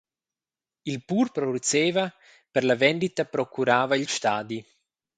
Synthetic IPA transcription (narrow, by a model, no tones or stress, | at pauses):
ilpuɾpɾod̪ut͡s̪eːva | pəɾlavɛnd̪it̪apɾɔkuɾaːvailʃt̪aːd̪i